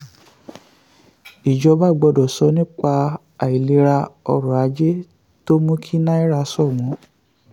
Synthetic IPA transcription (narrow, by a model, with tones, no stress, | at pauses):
i˨d͡ʒɔ˧˦ba˦˨ɡ͡bɔ˧dɔ˨sɔ˧˦nĩ˦k͡pa˧ | a˨i˨li˧˦ɾa˧ɔ̰˧ɾɔ̃˨a˨˦d͡ʒe˦ | to˦mũ˦kʰi˦nã˦i˦ɾa˧sɔ˦˨mɔ̃˨˦